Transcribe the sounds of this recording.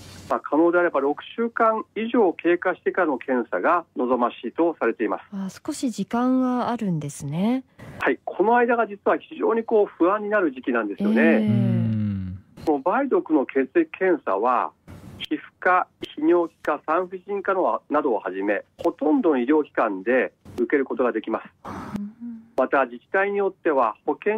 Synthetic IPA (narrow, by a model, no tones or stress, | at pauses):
maːkʰano̞ːd̪e̞aɾe̞baɾo̞kɯ̟̥ɕɨːkãɰiʑo̞ːkʰe̞ːkaɕi̥t̪e̞kaɾano̞kʰẽ̞ɰ̃sa̰ɡano̞zo̞maɕiːt̪o̞saɾe̞t̪e̞ima̰sɨ̥asko̞ɕid͡ʑikãŋɡaːɾɯ̟̃nd̪e̞sɨne̞haikʰo̞no̞aid̪aɡad͡ʑit͡sɨβaçiʑo̞̰ːɲ̟iko̞ːɸɯ̟ãɲ̟ːinaɾɯ̟ʑikʲinãnd̪e̞sɨɨjo̞ne̞ | konobaid̪o̞kɯ̟no̞kʰe̞ːt͡sɨikkʰːẽ̞ɰ̃sa̰βa̰çiɸɯ̟̥kaçiɲ̟ʲo̞ːkʲi̥kasãɰ̃ɸɯ̟ɕĩŋkano̞nad̪o̞ːhaʑime̞ho̞t̪õ̞nd̪o̞noiɾʲjo̞ːkʲi̥kãnd̪e̞ɯ̟ke̞ɾɯ̟ko̞t̪o̞ɡad̪e̞kʲimasɨ̥ | mat̪ad͡ʑikʲi̥t̪aiɲ̟ijo̞t̪ːe̞βa̰ho̞kẽ̞